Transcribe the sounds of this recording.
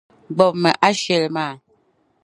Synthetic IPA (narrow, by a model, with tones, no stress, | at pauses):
ɡ͡bɔ˨p̚mə˨ʔa˦ʃe˨lmaː˦˨